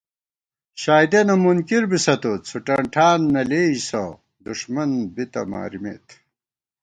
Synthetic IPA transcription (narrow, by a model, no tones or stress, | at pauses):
ɕaːjd̪enɐmunkiɾbisɐt̪ot͡sʰuʈɐɳʈʰaːnːɐleːisɐ | d̪uʂmɐnbit̪ɐ̰ma̰ːɾimḛːt̪ʰ